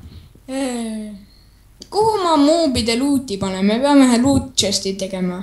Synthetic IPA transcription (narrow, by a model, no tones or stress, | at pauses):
kuhumɑmuːbid̪eluːt̪ʲːˑipɑnemepeɑmeɦæluːt̪t͡ʃest̪it̪e̞ɡ̥e̞mɑ